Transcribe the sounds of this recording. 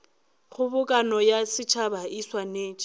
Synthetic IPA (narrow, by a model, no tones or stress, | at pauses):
χʊbʊkʼanɔjasɪt͡ʃʰabaiswaneːt͡ʃʼ